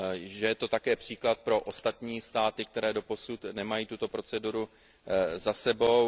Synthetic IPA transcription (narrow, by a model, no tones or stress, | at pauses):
ʒɛjɛt̪o̞t̪akɛːpr̝̥iːklat̪̚pɾo̞ʔo̞st̪at̪ɲiːst̪aːt̪ɪk̚t̪ɛɾɛːdo̞po̞sut̪nɛmajiːt̪ut̪o̞pɾo̞t͡sɛduɾu | zasɛbo̞w